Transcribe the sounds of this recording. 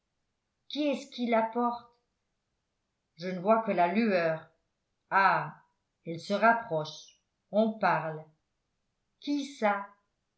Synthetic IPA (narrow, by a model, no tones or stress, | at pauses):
kʲiɛsə̥kʲilapɔʁt̪ | ʒənəvwakəlalyœːʁ | a | ɛlsəʁapχɔʃ | ɔ̃paʁl | kʲisa